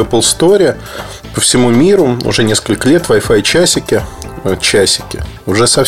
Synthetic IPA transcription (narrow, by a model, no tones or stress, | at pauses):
ɛpəlˠst̪oɾʲɪ | pəfsʲɪmumʲiɾʊʊ̰ʐɛnʲe̞skəlʲkəlʲe̞t̪vɐjfajt͡ɕæsʲɪkʲɪ | ət͡ɕæsʲɪ̥kʲɪʊʐɛsɐf